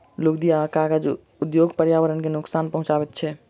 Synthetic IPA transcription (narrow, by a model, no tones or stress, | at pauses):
lukd̪ijakaɡad͡ʒ | ud̪joɡpəɾjaʋəɾənkenʊksanpəɦʊ̃t͡ʃabɛt̪̚t͡ʃʰɛ